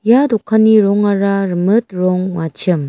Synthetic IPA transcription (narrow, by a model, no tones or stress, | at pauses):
jadɔkʰːaniɾɔŋaɾaɾɯmɯt̚ɾɔŋwat͡ʃʰɯm